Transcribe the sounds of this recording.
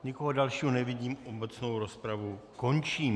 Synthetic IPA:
ɲɪkoɦodalʃiːɦonɛvɪɟiːmobɛt͡sno̞wɾo̞spɾavuko̞nt͡ʃiːm

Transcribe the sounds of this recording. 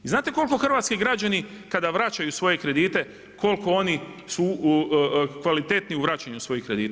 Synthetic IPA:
iznaːt̪e̞ko̞lko̞xr̩ʋaːt̪skiɡɾad͡ʒani | kad̪aʋɾat͡ʃajusʋo̞jekɾe̞d̪iːt̪e̞ | ko̞lko̞o̞nisu | kʋalit̪e̞t̪niuʋɾat͡ɕaɲusʋo̞jikɾed̪iːt̪

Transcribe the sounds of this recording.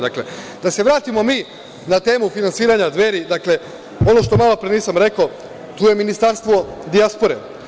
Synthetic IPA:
d̪akle̞̰d̪̥ase̞ʋɾaːt̪imo̞miː | nat̪e̞ːmufinantsiːɾaɲad̪ʋe̞ːɾid̪akle̞ | o̞no̞ʃt̪o̞malˠo̞pɾeniːsamɾe̞ko | t̪uːjeminist̪aɾst̪ʋo̞d̪iaspo̞ɾe

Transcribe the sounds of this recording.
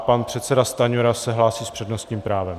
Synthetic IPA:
panpr̝̥ɛt̪sɛdast̪aɲoɾasɛɦlaːsiːspr̝̥ɛdnost̪ɲiːmpɾaːvɛm

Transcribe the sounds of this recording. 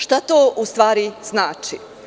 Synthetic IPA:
ʃt̪at̪oːʔust̪ʋaːɾiz̥naːt͡ʃi

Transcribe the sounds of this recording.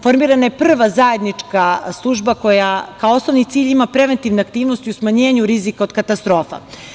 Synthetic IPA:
fo̞ɾmiːɾanajepr̩ʋazajed̪nit͡ʂkaslˠuʒbako̞jakaoo̞snoʋnit̪siːʎimapɾe̞ʋe̞nt̪iʋneak̚t̪iːʋnost̪iusmaɲe̞ːɲuɾizikaod̪̚kat̪ast̪ɾo̞ːfa̰

